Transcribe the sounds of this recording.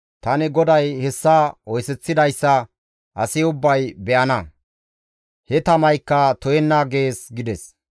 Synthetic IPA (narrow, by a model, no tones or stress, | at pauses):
t̪ɐnɪɡɔd̪ɐjhɛsːaːɔjsɛt͡sːɪd̪ɐjsːɐ | ʔɐsɪʊbːɐjbɛʔɐnɐ | hɛt̪ɐmɐjkːɐt̪ɔjɛnːaːɡe̞ːsɡɪd̪ɛs